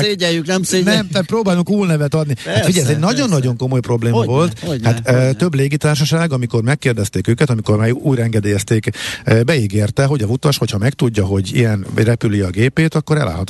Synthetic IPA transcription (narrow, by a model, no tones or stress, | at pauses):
ɛjyknɛmnɛmt̪at̪̚proːbaːluŋkuːlnɛvɛt̪ɒd̪nihat̪fiɟɛjɛzɛɟnɒɟo̞nːɒɟo̞ŋko̞mo̞jpro̞bleːmɒvo̞lt̪hat̪t̪ːø̞bleːɡit̪aːrʃɒʃaːɡɒmiko̞rmɛkːeːrd̪ɛst̪eːkøːkɛt̪ɒmiko̞rmaːjuːjɾɛŋɡɛd̪eːjɛst̪eːkbɛiɡeːrt̪ɛɦo̞ɟɒzut̪ɒʃho̞chɒmɛkt̪uɟːɒɦo̞ɟḭɛnrɛpyliɒɡeːpeːt̪ɒkːo̞ɾɛ̰lʔa̰ːɦɒt̪